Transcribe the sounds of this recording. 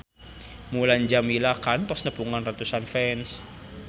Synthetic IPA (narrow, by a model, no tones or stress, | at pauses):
muland͡ʒamilakant̪ɔsnəb̥uŋanrat̪usanfɛns